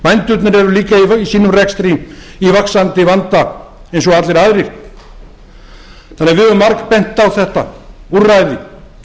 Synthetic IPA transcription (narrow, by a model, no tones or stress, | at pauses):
majnt̪ʏt̪nɪɾɛɾʏliːkaivisiːnʏmrɛkst̪ɾiivaksant̪ɪvant̪aejns̬ɔɣat̪lɪɾaðɾɪ̥ | θanːɪɣvɪɛvʏmːaɾkpɛjnt̪awθɛht̪aurajðɪ